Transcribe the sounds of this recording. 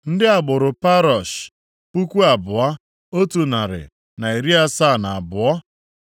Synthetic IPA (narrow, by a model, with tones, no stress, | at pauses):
n̩˦dɪ˦a˨ɡ͡bʊ˨ɾʊ˨pa˦ɾɔ˨ʃ | pu˦kʷu˦a˨bʊ˨a˦ | o˦tu˨na˨ɾɪ̰˨ | na˨i˨ɾi˦a˦sa˦˨na˨a˨bʊ˨ɔ˦